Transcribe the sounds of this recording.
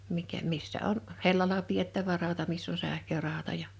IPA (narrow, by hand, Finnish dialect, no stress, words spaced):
mikæ misːæ on helːɑlɑ pietːæʋæ rɑˑotɑ misː on sæhkørɑˑotɑ jɑ